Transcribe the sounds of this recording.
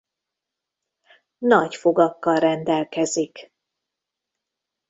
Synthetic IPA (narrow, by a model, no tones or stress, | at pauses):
nɒɟfoɡɒkːɒlrɛnd̪ɛlkɛzik